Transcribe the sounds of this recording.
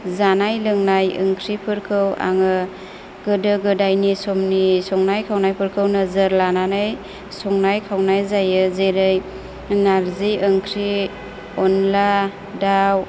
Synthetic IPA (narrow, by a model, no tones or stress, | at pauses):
zanajlɯŋnajɯ̰ŋkʰɾipʰɯɾkʰɯwa̰ŋɯ | ɡɯdɯɡɯdajnisɔmnisɔŋnajkʰawnajpʰɯɾkʰɯwnɯzɯɾlananaj | sɔŋnajkʰawnajzajɯzeɾɯj | naɾzijɯŋkʰɾi | ɔnla | daw